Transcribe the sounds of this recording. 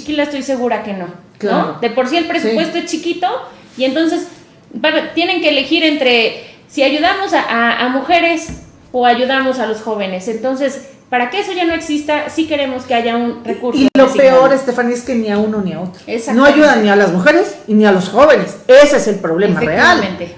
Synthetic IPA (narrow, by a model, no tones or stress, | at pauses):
t͡ʃikilaest̪o̞jse̞ɣuɾake̞no̞ | knaood̪e̞po̞ɾs̬ielpɾes̬upwe̞st̪oest͡ʃikit̪o̞ | ient̪o̞ns̬e̞s | baβt̪je̞ne̞ŋkeːle̞xiɾe̞nt̪ɾe̞ | siaʝuðamo̞saʔaamuxe̞ɾe̞s | oaʝuðamo̞salo̞sxo̞β̞e̞ne̞se̞nt̪o̞nse̞spaɾakeeso̞ʝano̞e̞ksist̪asike̞ɾe̞mo̞ske̞aʝaunrekuɾoilosipeo̞ɾest̪efanieskeniaunoniaot̪ɾoesano̞aʝuðanːialazmuxe̞ɾesinialo̞sxo̞βe̞neseseese̞lpɾo̞βle̞mareaalmẽnt̪e